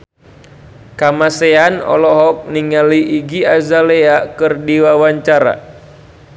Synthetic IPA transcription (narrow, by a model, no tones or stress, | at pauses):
kamaseanɔ̰lɔɦɔk̚niŋaliʔiɡiazaleakɨrdiwawaɲt͡ʃaɾa̰